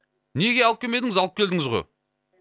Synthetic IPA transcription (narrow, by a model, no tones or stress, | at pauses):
ne̞ɡʲe̞ɑlˠəp̚kʲeme̞d̪ɪŋɪzɑlˠəp̚kʲʰe̞ld̪ɪŋɪzʁo̰j